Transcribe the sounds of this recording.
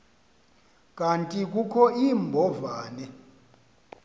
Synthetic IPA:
kʼantʼik̬ʼukʰɔiːmbʱɔvaːnɛ

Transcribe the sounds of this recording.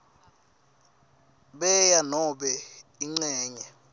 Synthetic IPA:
ɓɛjanɔɓɛiŋ͡ǀɛːɲɛ

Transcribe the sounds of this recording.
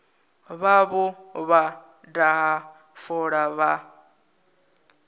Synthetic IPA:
βaβɔβa | daɦa | fɔɺaβa

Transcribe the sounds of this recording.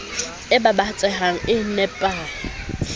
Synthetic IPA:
ɪbabat͡sʼɛɦaŋ̩ɪnɛpʼaːŋ̩

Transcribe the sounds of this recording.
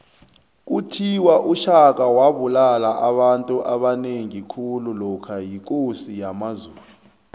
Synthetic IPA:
k̬utʰiwaʔuʃak̬ʼawaɓulalaʔaɓantʼuʔaɓaneŋikʰululɔkʰajik̬ʼosijamazuːlu

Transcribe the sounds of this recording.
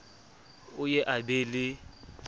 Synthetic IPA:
ʊjɛʔabelɪ

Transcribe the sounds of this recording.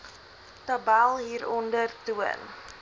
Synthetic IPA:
təbælˠɦiːɾɔndərtuə̰n

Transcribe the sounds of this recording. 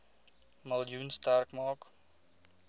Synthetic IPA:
məlˠjunstærkmɑːk

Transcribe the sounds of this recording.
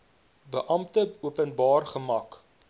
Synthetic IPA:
bəʔɐmtəuəpənbɑːrχəmɐk

